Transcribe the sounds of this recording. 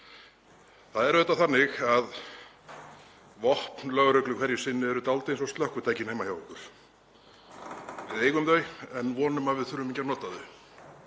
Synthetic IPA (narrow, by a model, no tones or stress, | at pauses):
θaðɛɾɛht̪ːaθanːɪxað | vɔhpnlœɣɾœɥklʏkʰvɛɾjɪ̥sɪnːɪɛɾʏt̪alt̪ejnsɔst̪lœhkʏt̪ʰaːjcɪnejmahjaːwkʏɾ̥ | vɪðeːjɣʏmðœːɥɛnːvɔːnʏmavɪðθʏɾʏmiɲcaɾnɔːt̪aðʏ